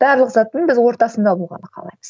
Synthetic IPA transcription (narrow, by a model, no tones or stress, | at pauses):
b̥æɾlˠəqzɑt̪ːənbɪzwo̞ɾt̪ɑsənd̪ɑbolˠʁɑ̰nəqʰɑ̰lˠɑ̰jməz